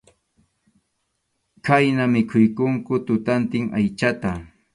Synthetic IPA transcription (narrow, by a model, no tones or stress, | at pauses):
kajnamɪkʰʊjkʊŋkʊt̪ʊt̪ant̪ɪŋa̰jt͡ʃat̪a